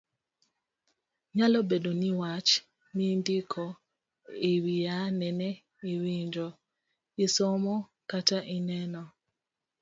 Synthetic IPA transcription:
ɲalɔbedoniwat͡ʃ | nindikʰɔ | iwijanɛnɛ | iwiɲd͡ʒɔ | isɔmɔ | kataʔinɛnɔ

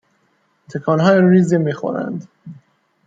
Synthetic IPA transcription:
t̪ʰekʰɒːnɦɒːjɾiːzimiːxo̰ɾæ̰nd̪

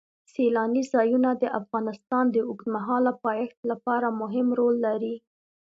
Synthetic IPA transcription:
selɑnizɑjunad̪əʔafɣɑnɪst̪ɑnd̪əʊkt̪maɦɑlapɑjaxt̪lapɑɾamʊɦɪmɾolːaɾi

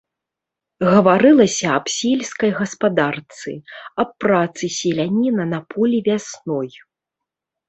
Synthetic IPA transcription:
ɣɐvaɾɨlˠɐsʲɐːpsʲilʲskɐjɣɐspad̪art̪sɨ̰ɐpːɾat̪sɨsʲɛlʲanʲinɐnɐpʰɔlʲivʲasnɔj

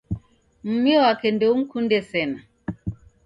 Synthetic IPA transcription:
m̩miɔwakɛndɛuŋ̩kundɛsɛna

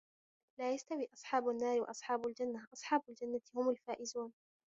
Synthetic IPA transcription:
laːjast̪awiːʔɑsˤħɑːbanːaːɾɪwɑ̰ʔɑsˤħɑːbald͡ʒanːaʔɑsˤħɑːbald͡ʒanːat̪ɪhʊmalfaːʔɪzuːn

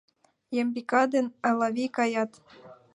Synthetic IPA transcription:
jembikɑd̪enɑlɑβikɑjɑt̪

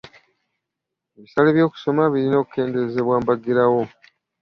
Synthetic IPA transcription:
eβisaleβjo̞ːku̥so̞maβiɾino̞ːku̥ke̞ːndezeβwaːmbaɡiɾawo̞

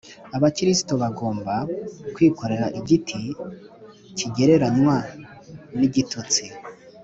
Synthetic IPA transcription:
aβakɾisi̥toβaɡo̞ːmbakwiːko̞ɾe̞ɾaʔiɟitʰi | cʰiɟe̞ɾe̞ɾanwa | niɟitʰut͡si

